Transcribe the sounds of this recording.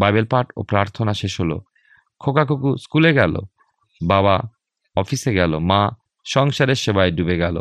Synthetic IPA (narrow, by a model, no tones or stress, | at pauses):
bajbelpaɾʈo̰pɾaɾt̪ʰonaʃeʃɦolo̰ | kʰokakokuskuleɡɛlo̰ | baba | ɔfiseɡɛlomã | ʃɔŋʃaɾeɾʃebaeɖubeɡɛlo̰